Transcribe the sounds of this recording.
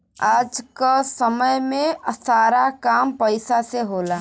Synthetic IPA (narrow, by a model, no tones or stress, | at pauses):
aːd͡ʒkasəməjmẽsaːɾakaːmpəɪsaseɦoːlaː